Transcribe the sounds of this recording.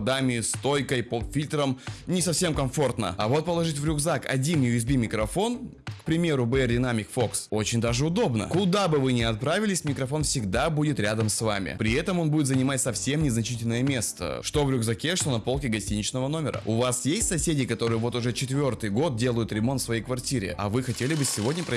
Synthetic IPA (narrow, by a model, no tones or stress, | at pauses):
ɐd̪amʲɪst̪o̞jkəjpofʲilʲt̪ɾəmnʲɪsɐfsʲe̞mkɐmfo̞rt̪nə̰ɐvo̞t̪̚pəlˠɐʐɨtʲvɾʲʊɡzakɐ̰dʲinjɪʊjɪzbʲimʲɪkɾɐfo̞n | kpɾʲɪmʲe̞ɾʊbəɛrdʲɪnamʲɪkfo̞kso̞t͡ɕɪnʲd̪aʐɨʊd̪o̞bnə̰kʊd̪abɨvɨnʲɪɐt̪̚pɾavʲɪlʲɪsʲmʲɪkɾɐfo̞nfsʲɪɡd̪abudʲɪt̪ɾʲad̪əmsva̰mʲɪ̰pɾʲɪɛt̪əmo̞nbudʲɪt̪zənʲɪmatʲsɐfsʲe̞mnʲɪznɐt͡ɕitʲɪlʲnəjəmʲe̞st̪ə̰ʂt̪o̞vɾʲʊɡzɐkʲeʂt̪o̞nɐpo̞lˠkʲɪɡɐsʲtʲinʲɪt͡ɕnəvəno̞mʲɪɾə̰ʊvasjesʲtʲsɐsʲedʲɪkɐt̪o̞ɾɨjəvo̞t̪ʊʐɛt͡ɕɪt̪vʲo̞rt̪ɨjɡo̞t̪̚dʲe̞lˠəjʊt̪ɾʲɪmonfsvɐjejkvɐrtʲiɾʲɪ̰ɐ̰vɨxɐtʲelʲɪbɨsʲːɪvo̞dʲnʲəpɾə